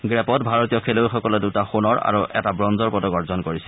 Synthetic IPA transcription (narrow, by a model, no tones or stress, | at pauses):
ɡɹɛpɔtbʱaɹotiɔkʰelojxɔkɔlɛdutaxunɔɹa̰ɹuʔɛ̰tabɹɔnzɔɹpɔtɔɡɔɹzɔnkoɹisɛ̥